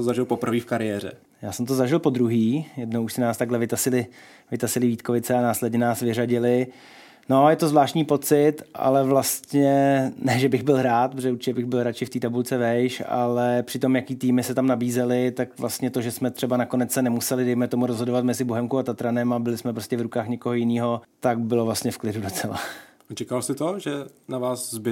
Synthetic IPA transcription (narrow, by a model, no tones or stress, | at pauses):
ozaʒɪlpopr̩viːfkaɾɪjɛːr̝ɛ̰ | jaːsɛmt̪ozaʒɪlpo̞d̪ɾuɦiːjɛdno̞wuʃsɪnaːst̪aɡɦlɛvɪt̪asɪlɪ | vɪt̪asɪlɪviːt̪ko̞vɪt͡sɛanaːslɛdɲɛnaːsvɪraɟɪlɪ | no̞jɛt̪o̞zvlaːʃtɲiːpo̞t͡sɪt̪ʔa̰lɛvlast̪ɲɛnɛʒɛbɪɣbɪlɦɾaːt̪̚pozɛuɾt͡ʃɪcɛbɪɣbɪlɦɾat͡ʃɪft̪iːt̪abult͡sɛvɛjʃa̰lɛpr̝̥ɪt̪o̞mjakiːt̪iːmɪsɛt̪amnabiːzɛlɪt̪akvlast̪ɲɛt̪o̞ʒɛsmɛt̪r̥ɛbanakonɛt͡ssɛnɛmusɛlɪdɛjmɛt̪o̞muɾozɦodovat̪mɛzɪboɦɛmkuat̪at̪ɾanɛmabɪlɪsmɛpɾo̞stcɛvɾukaːxɲɛkoɦojɪniːɦo̞t̪ak̚bɪlovlast̪ɲɛfklɪdudot͡sɛla̰ | at͡ʃɛkalsɪt̪oʒɛnavaːszbɪ